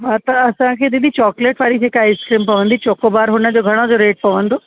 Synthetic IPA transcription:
ʋat̪ɐɐsãkʰeːd̪id̪it͡ɕɔːkleʈʋaːɾid͡ʑʱeːkaiskɾimpɐʋə̃nd̪it͡ɕoːkobaːɾɦʊnəd͡ʑoɡʱɐɽ̃od͡ʑoɾeːʈ̚pɐʋə̃nd̪o

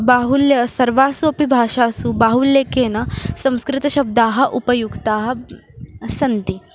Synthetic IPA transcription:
baːɦuljɐsɐɾʋaːsuɐpibʱaːʃaːsubaːɦuljekeːnɐsɐ̃w̃skɾɪt̪ɐɕɐb̚d̪aːɦɐ̆ʔupɐjuɡt̪aːɦɐ̆ | sɐnt̪i

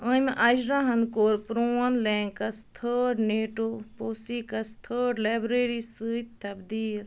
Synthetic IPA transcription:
ə̃mʔɐd͡ʒɾaɦɐnkoːɾpɾoːɐnlẽːŋkɐst̪ʰəːɖneːʈoːpoːsikɐst̪ʰəːɖlaːbɾeːɾisɨːt̪t̪ɐbd̪iːl

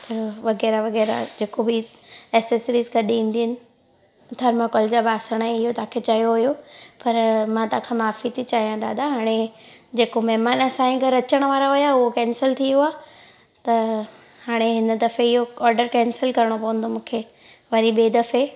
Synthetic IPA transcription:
t̪ɐʋɐɣɛːɾaʋɐɣɛːɾa̰d͡ʑeːkobɪ | ɛːsesɾiːzɡɐɗiĩːn̆d̪iɦɪnɪ̆ | d̪ʱɐɾmakɔːld͡ʑabaːsəɽ̃ẽɪɦot̪aːkʰet͡ɕɐjoɦʊjopɐɾmãːt̪ãːkʰãmaːfit̪ʰit͡ɕaːɦijãd̪aːd̪aɦaːɽ̃ed͡ʑeːkomɛɦmaːnɐsãĩɡəɾɐt͡ɕəɽ̃ʋaːɾaɦʊjaʊɦokɛ̃ːnsəlt̪ʰijoaː | t̪ɐ | haːɽ̃eɦɪnə̆d̪ɐfeɪɦoɔːɾɖəɾkɛ̃ːnsəlkɐɾəɽ̃opɐʋə̃nd̪omũːkʰe | ʋɐɾiɓeːd̪ɐfe

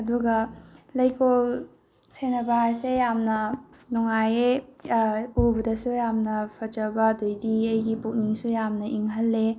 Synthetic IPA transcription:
ɐduɡɐlɐjkol | senɐbaɦajsejamnɐ | nɔŋaje | ubɐdɐsujamnɐpʰɐd͡ʒɐwbɐdojdiɐjɡipuk̚niŋsujamnɐʔiŋɦɐlːe

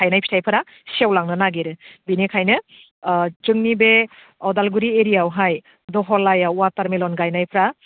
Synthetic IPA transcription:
ajnajpʰi̥tʰajpʰɯɾa | sewlaŋnɯnaɡeɾɯbinekʰajnɯ | d͡ʒɯŋnibe | ɔdalɡuɾieɾijawɦaj | dɔɦɔlajawataɾmelɔnɡajnajpʰɾa

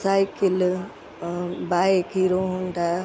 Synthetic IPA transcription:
saːɪkɪl | baːkiːɾoɦũːnd̪a

